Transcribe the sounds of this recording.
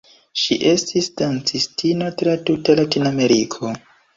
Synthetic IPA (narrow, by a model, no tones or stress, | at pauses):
ʃiʔe̞stisdant͡sistino̞tɾatutalatiname̞ɾikʰo̞